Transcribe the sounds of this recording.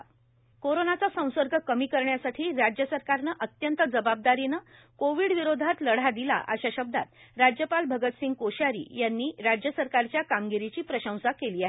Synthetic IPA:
koɾonat͡sasə̃w̃səɾɡʱəkəmiːkəɾɳjasaʈʰiːɾad͡ʑjəsəɾkaɾnəʔət̪jənt̪əd͡zəbab̚d̪aɾinə | koʋiːɽʋiɾod̪ʱat̪ləɽ̤ad̪ila̰ʔa̰ɕaɕəb̚d̪a̰t̪ɾad͡ʑjəpalbʱəɡət̪siŋɡ̚koɕaɾḭːjanːiːɾad͡ʑjəsəɾkaɾt͡ɕjakamɡiɾit͡ɕiːpɾəɕə̃w̃sakeliːaɦe

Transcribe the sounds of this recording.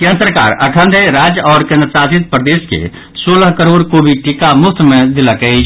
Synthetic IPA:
kiə̃nt̪əɾka̰ɾəkʰə̃nd̪ʱeɾad͡ʒɔːɾkẽnd̪ɾsasit̪̚pɾəd̪eskḛ | soləɦkəɾoɾkobʱiʈikamukʰt̪med̪iləkɛɪt͡ʃʰ

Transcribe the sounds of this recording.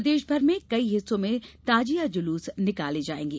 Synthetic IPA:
d̪eːʃbʱɐɾmẽkɐiɦɪsːõmẽt̪aːd͡ʒijad͡ʒʊluːsnɪkaːled͡ʒaːḛ̃ːŋɡeː

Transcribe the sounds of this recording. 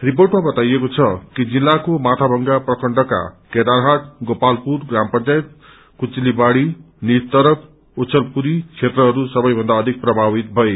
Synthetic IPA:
riporʈmabʌt̪ajekot͡sʰʌkid͡zilːakomat̪ʰabʱʌŋɡaprʌkʌɳɖʌka̰ked̪arɦat̪ɡopalpurɡrampʌnt͡sajet̪̚ | kut͡silibaɽi | nit̪ʌɾʌpʰ | ot͡sʰʌlpuɾit͡sʰet̪rʌɦʌɾusʌbʌjbʱʌnd̪aʌd̪ʱik̚prʌbʱabit̪̚bʱʌe

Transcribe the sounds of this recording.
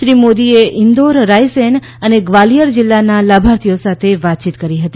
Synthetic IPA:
ʃɾimod̪ieʔɪnd̪oɾɾajsen | əneɡʋalijəɾd͡ʒɪlːanalabʱaɾt̪ʰijosat̪ʰeʋat̪̚t͡ʃit̪kəɾiɦət̪i

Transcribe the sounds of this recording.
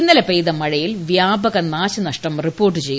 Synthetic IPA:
nːɐlɐpejðɐmɐɻɐjilʋjaːbɐɣɐnaːɕɐnɐʂʈɐmripːo̞ːrʈ̬ːɨt͡ɕe̞j

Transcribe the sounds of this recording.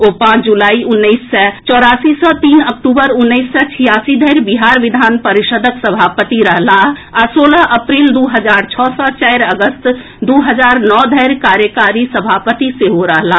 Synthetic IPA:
oːpãːt͡ʃʰd͡ʒulaːiʔʊnːəisːɛt͡ʃɔːɾaːsisɔt̪iːnək̚ʈuːbəɾʊnːəisːɛt͡ʃʰijaːsid̪ʱəɪɾbiɦaːɾʋɪd̪ʱaːnpəɾɪʃəd̪ʱəksəbʱaːpət̪iɾəɦlaasoːləɦʔəpɾiːld̪uɦəd͡ʒaːɾt͡ʃʰɔːsɔt͡ʃɛɪɾəɡəst̪ | d̪uːɦəd͡ʒaːɾnɔːd̪ʱəɪɾkaːɾjəkaɾisəbʱaːpət̪iseɦoɾəɦla

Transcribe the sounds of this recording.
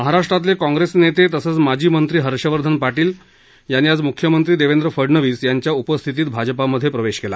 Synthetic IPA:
məɦaɾaʂʈɾat̪̬lekɔ̃ŋɡɾesnet̪et̪əsəːt͡smad͡ʑʱiːmənt̪ɾiːɦəɾɕəʋəɾd̪ʱənpaʈiːl | janːiːad͡zmukʰjəmənt̪ɾiːd̪eʋend̪ɾəfəɽnəʋiːsjaɲt͡ɕjaupəst̪ʰit̪̬iːt̪bʱad͡ʑəpaməd̪ʱːjepɾəʋeɕkela̰

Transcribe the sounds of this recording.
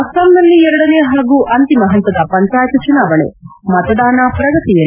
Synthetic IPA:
ɐsɐmnɐlːiɛɾɐɽɐneːɦaːɡuːʔɐnt̪imɐɦɐnt̪ɐd̪ɐpɐɲt͡ʃaːjɐt̪ɐt͡ʃunaːʋɐɳḛmɐt̪ɐd̪aːnaːpɾɐɡɐt̪ijɐ

